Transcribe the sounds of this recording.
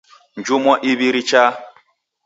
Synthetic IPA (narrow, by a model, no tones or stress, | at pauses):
n̩d͡ʒumɔʔiβiɾit͡ʃa